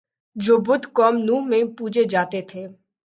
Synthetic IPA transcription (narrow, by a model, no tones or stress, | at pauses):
d͡ʒoːbʊd̪ʱkɔːmnuːɦmẽpuːd͡ʒed͡ʒaːt̪et̪ʰeː